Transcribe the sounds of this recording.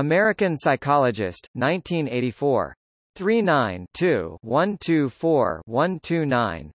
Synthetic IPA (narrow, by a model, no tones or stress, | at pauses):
əmɛɹɨkɨ̃nsaɪkʰɑlˠəd͡ʒɪ̰stnãɪ̃ntʰĩneɪɾifɔ̰ɹ | θɹinãɪ̃ntʰʉwʌ̃ntʰʉfɔɹwʌ̃ntʰʉnãɪ̃n